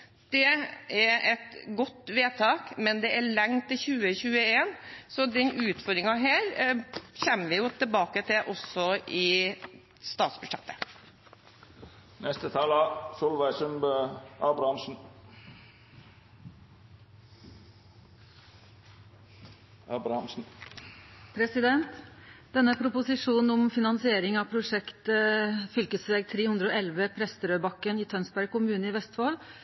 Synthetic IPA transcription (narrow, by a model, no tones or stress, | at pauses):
d̪̥ɛæʔɛt̪ɡɔt̪ːʋeːt̪ʰɑːkmɛnd̪ɛʔæɭɛŋt̪ʰɪlçʉːəçʉːəeːnsɔd̪ɛnʉːt̪fɔɾɾɪŋɑɦæːɾçɛmːəʋɪjʊt̪ʰɪbɑːkət̪ʰɪʔɔsɔʔɪ | st̪ɑːt̪sbʉʂɛt̪ːə | nɛst̪ət̪ʰɑːlɑsʊlʋæɪsʉmbøɑbɾɑnʃn̩ | ɑːbɾɑhɑmsn̩ | pʰɾɛsɪd̪ɛnt̪d̪̥ɛnːəpʰɾʊpʊsɪʂuːnn̩ʊmfɪnɑnsɪeːɾɪŋɑpʰɾʊʂɛkt̪əfʏlkəsʋeːɡ̚t̪ʰɾeːhʉnd̪ɾəoːɛlʋəpʰɾɛst̪əɾøːbɑkːəniːt̪ʰœnsbæɾ̚kʊmʉːnəɪʋɛst̪foːl